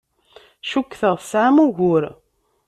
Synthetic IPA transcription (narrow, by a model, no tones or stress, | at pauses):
ʃukːθəʁθsʕamuʝʊɾ